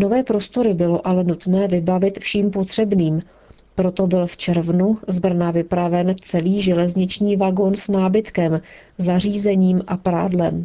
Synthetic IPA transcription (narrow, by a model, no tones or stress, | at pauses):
no̞vɛːpɾo̞st̪o̞ɾɪbɪlo̞ʔalɛnut̪nɛːvɪbavɪt̪fʃiːmpo̞t̪r̝̥ɛbniːm | pɾo̞t̪o̞bɪlft͡ʃɛɾvnuzbr̩navɪpɾavɛnt͡sɛliːʒɛlɛzɲɪt͡ʃɲiːvaɡo̞nsnaːbɪt̪kɛmzar̝iːzɛɲiːmʔapɾa̰ːdlɛm